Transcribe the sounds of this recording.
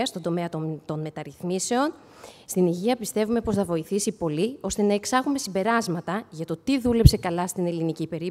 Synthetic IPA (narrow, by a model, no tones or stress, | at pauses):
ɐst̪ond̪o̞meɐt̪t̪o̞nme̞t̪ɐɾiθmise̞o̞n | st̪iniʝiɐpist̪e̞vume̞po̞sθɐvo̞iθisipo̞lio̞st̪e̞nɐe̞ksɐɣume̞simbe̞ɾɐzmɐt̪ɐʝɐt̪o̞t̪iðule̞pse̞kɐlɐst̪ine̞linicipe̞ɾi